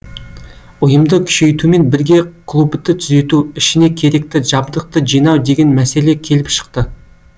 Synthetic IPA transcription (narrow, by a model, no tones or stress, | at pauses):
ʊjəmd̪əkʲʰʏ̥ʃe̞jt̪ume̞nbɪɾɡʲe̞qʰlˠubd̪ət̪ʰʏze̞t̪uɪʃɪne̞kʲʰe̞ɾe̞kt̪ɪʒɑbd̪əq̚t̪əʒijnɑwd̪e̞ɡʲe̞nmæse̞le̞kʲʰe̞lɪpʃə̥q̚t̪ə